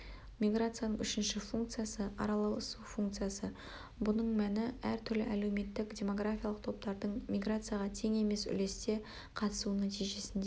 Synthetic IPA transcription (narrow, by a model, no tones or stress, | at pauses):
mʲijɡɾat̪sɨjanəɴʏʃɪnʃɪfuŋk̚t̪sɨjasəɑ̰ɾɑlˠɑwəsufuŋk̚t̪sɨjasə | bʊnəɴmænɪæɾt̪ʰʏɾlɪʔæle̞wme̞t̪ːɪkdʲe̞mo̞ɡɾafʲijalˠəq̚t̪ʰo̞p̚t̪ɑɾd̪əɴmʲijɡrat̪sɨjaʁɑt̪ʰe̞ŋe̞me̞sʏ̰le̞st̪e̞ | qʰɑt̪ə̥suənæt̪ijʒe̞sɪnd̪e